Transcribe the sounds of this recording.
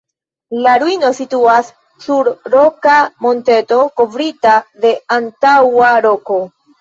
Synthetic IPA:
laɾuino̞situasː | uɾɾo̞kamo̞nte̞to̞ko̞vɾitade̞antawaɾo̞ko̞

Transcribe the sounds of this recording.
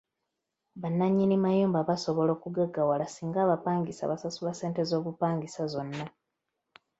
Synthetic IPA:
βanːaɲːinimajuːmbaβaso̞βo̞lo̞ːkuɡaɡawalasiːŋɡaːβapaːŋɡisa̰βasasulase̞ːnte̞zo̞ːβupaːŋɡisazo̞nːa

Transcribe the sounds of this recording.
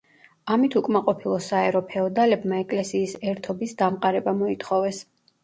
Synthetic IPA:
amit̪ʰukʼmaqʼɔpʰilˠɔsaɛɾɔpʰɛɔd̪alɛbmaɛkʼlɛsiːsɛɾt̪ʰɔbisd̪amqʼaɾɛbamɔit̪ʰχɔvɛs

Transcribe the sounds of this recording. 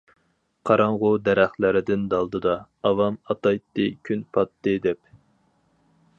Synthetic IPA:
qʰɑɾɑŋʁʊd̪ɛɾæχlɪɾɪd̪ɪnd̪ɑlˠd̪ɨd̪ɑːvɑmɑt̪ɑjt̪ːɨkʲʰynpʰɑt̪ːɨd̪ɛp̚

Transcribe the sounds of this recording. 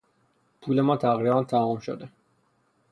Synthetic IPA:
pʰuːle̞mɒːt̪ʰæɣiːɾænt̪ʰæhɔːmʃo̰d̪e

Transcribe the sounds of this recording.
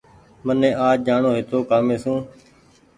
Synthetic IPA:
mənẽːʔaːd͡ʒd͡ʒaːɳoːɦɪt̪oːkaːmẽːsũː

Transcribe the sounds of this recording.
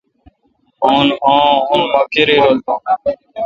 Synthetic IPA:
oːnõːɦʊnmakeɾiːɾoːlt̪õː

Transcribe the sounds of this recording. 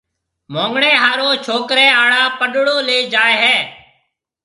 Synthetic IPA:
mõːŋɡɽeːɦaːɾoːt͡ʃʰoːkɾɛ̃ːaːɽaːpəɗɽoːleːd͡ʒaːeːɦɛː

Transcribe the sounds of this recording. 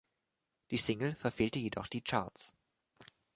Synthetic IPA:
d̥iːsɪŋl̩fɛɐfeːltəjedɔχd̥iːt͡ʃa̰ɐtt͡s

